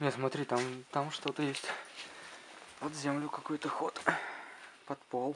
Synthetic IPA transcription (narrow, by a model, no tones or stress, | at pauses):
nʲesmɐt̪ɾʲit̪amt̪amʂt̪ot̪əjesʲtʲ | pɐd̪zʲemlʲʊkɐkojt̪əxot̪ | pɐt̪polˠ